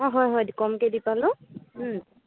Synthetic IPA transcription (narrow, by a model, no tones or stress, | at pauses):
ɔɦɔjɦɔjdikɔmkedipalʊ̃